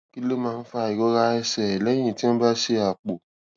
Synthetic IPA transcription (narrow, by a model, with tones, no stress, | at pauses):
ki˦lo˦mãː˧n̩˦fa˧˨i˨ɡɔ˨˦ɾa˧ɛ˧sɛ˨ɛ˨lɛ̃˨˦ĩ˦˨ti˦õ˦ba˦ʃe˧a˨k͡po˨